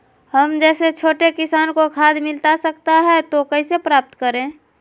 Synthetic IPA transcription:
həmd͡ʒɛːset͡ʃʰoːʈekɪsaːnkokʰaːd̪mɪlt̪asəkt̪aɦɛt̪okəisepɾaːp̚t̪kəɾẽː

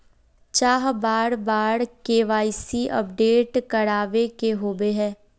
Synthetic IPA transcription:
t͡ʃaːɦbaːɽbaːɽkeːʋaːisiʔə̰p̚ɖeːʈkəɽaːʋekeɦoːbeɦɛ̃ː

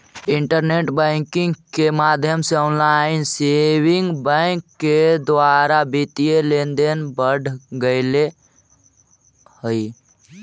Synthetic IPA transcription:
iɳʈəɾneʈbɛŋkɪ̃ŋɡkemad̪ʱjəmseɔːnlaɪnsewiŋɡbɛŋkːed̪ʋaɾabit̪ijelend̪enbəɽ̤ʱɡəɪle | həi

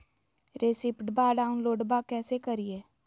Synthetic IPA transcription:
ɾeːsɪpʈbaːɖaːʊnloːɖbakɛːsekəɾieː

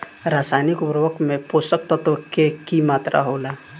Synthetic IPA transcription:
ɾaːsajnikʊpɾʋəkmẽposək̚t̪ət̪kekimaːt̪ɾʔa̰ɦoːlaː

